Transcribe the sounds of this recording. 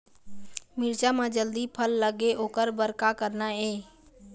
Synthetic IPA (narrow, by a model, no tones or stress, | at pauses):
mɪɾt͡ʃamãd͡ʒəld̪ipʰəlːəɡeʔoːkəɾbəɾkakəɾnaeː